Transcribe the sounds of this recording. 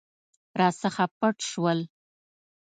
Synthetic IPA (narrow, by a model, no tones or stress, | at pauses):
ɾɑsəxapəʈʃwəl